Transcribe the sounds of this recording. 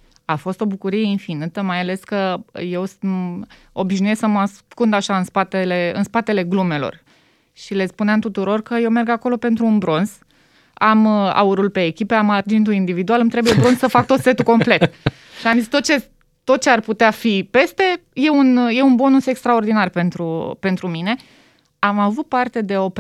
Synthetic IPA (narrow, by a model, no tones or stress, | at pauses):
afo̞st̪o̞bukuɾije̞infinɨt̪əmajale̞skəje̞wsm | o̞biʒnuje̞ssəmaskund̪aʃaɨnspat̪ele̞ɨ̰nspat̪e̞le̞ɡlume̞lo̰r | ʃile̞spuneamt̪ut̪uɾo̞rkəjewme̞rɡako̞lo̞pe̞nt̪ɾuːnbɾo̞nz̥ | ama̰uɾulpe̞ːkʲipe̞amard͡ʒint̪uind̪ivid̪ualɨmt̪ɾebujebɾo̞nssəfak̚t̪o̞t̪se̞t̪uko̞mple̞t̪ | ʃiamzist̪o̞t̪̚t͡ʃe̞ | t̪o̞t̪̚t͡ʃe̞arput̪eafipe̞st̪e̞je̞unje̞unbo̞nuse̞kst̪ɾao̞rd̪inarpe̞nt̪ɾupe̞nt̪ɾumine̞ | amavut̪̚part̪e̞d̪e̞o̞p